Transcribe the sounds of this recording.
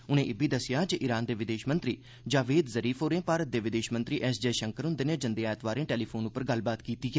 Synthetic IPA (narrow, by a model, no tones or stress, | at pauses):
ʊnẽːʔɪbʱiːd̪əsɪjaːd͡ʒeʔɪɾaːnd̪eːʋɪd̪eːʃmənt̪ɾiː | d͡ʒaːʋeːd̪zəɾiːfʰɦoːɾẽːpaːɾət̪̚d̪eːʋɪd̪eːʃmənt̪ɾiːʔɛːsd͡ʒeːʃəŋkəɾɦʊ̃nd̪eːneːd͡ʒənd̪eːaːjət̪ʋaːɾẽːʈeːliːpʰoːnʊpːəɾɡəlbaːt̪kiːt̪iːkɛː